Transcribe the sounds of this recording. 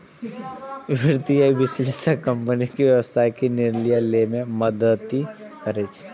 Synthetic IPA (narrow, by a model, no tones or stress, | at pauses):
ʋɪɾt̪ijaibɪslesakə̃mpənikiʋjəʋəsaikinɪɾlijalemẽməd̪ət̪i | kəɾet͡ʃʰe̥